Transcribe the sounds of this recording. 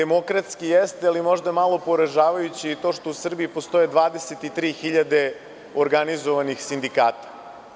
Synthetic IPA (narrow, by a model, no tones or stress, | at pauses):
emo̞kɾat̪skijest̪ealimo̞ʒd̪amalˠo̞poɾaʒaːʋajut͡ɕit̪o̞ːʃt̪o̞usr̩biipo̞st̪o̞jed̪ʋaːd̪e̞set̪it̪ɾiːxiʎad̪e̞ | oɾɡanizoʋanixsind̪ikaːt̪ḁ